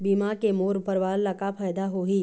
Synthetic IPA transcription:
biːmakemoːɾʊpəɾʋaːlːɐkapʰaːjd̪aɦoɦiː

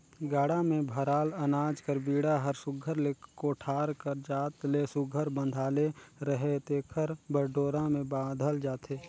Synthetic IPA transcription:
ɡaːɽamẽbʱəɾaːlɐnaːd͡ʒkəɾbiːɽaɦəɾsʊɡʱəɾlekoːʈʰaːɾkəɾd͡ʒaːt̪lesʊɡʱəɾbə̃nd̪ʱaːleɾəɦet̪ekʰəɾbəɾɖoːɾãmẽbaːd̪ʱəld͡ʒaːt̪ʰeː

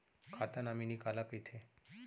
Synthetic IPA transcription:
kʰat̪anaminikalakəjt̪ʰe

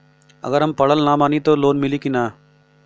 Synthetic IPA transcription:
ɐ̰ɣəɾɦɐmpɐɽəlnamaːnit̪oːloːnmɪlikinaː

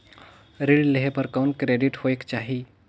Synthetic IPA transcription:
ɾiɽɖleɦepəɾkaʊnkɾeɖiʈhoekt͡ʃaɦi

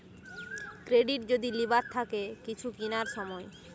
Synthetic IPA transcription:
kɾeɖiʈd͡ʑod̪ilibaɾt̪ʰːakekit͡ɕʰukinaɾʃɔmɔe

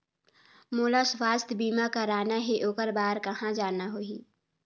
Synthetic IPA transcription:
moːlaswaːst̪ʰbiːmakaɾaːnaɦeʔoːkəɾbaːɾkɐhãd͡ʒaːnaɦoːiː

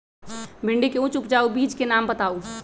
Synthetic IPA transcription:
bʱɪ̃ɳɖikeʊ̃t͡ʃʊpd͡ʒaːubiːd͡ʒkenaːmbət̪aːu

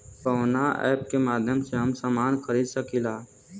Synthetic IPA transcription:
kɔːnaɛ̰ːpkemaːd̪ʱjəmseɦəmsaːmaːnxəɾiːd̪səkilaː

